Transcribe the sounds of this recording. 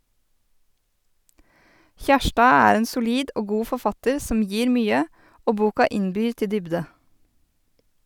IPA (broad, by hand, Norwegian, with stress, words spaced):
ˈçæʃʈɑː ˈæːɾ ˈeːn sʊˈliːd ˈʔoː ˈɡuː fɔɾˈfɑtəɾ ˈsɔm ˈjiːɾ ˈmyːə ˈoː ˈbuːkɑ ˈɪnbyːɾ ˈtɪ ˈdʏbdə